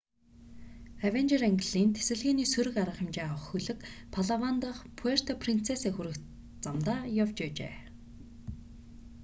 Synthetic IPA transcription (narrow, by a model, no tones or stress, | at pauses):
æwent͡ɕeræŋɡɪ̆ɮiːnt̪ʰe̥sɘ̆ɮɣiːniːsɵɾɘ̆kaɾə̆χə̆mt͡ɕeːaə̆χxɵɮɘ̆kpʰaɮawant̪ə̆χpʰuer̥t̪ʰɔpʰrin̥t͡sʰesaːxuɾɘ̆k̪ | t͡samt̪aːjawt͡ɕæːt͡ɕḛː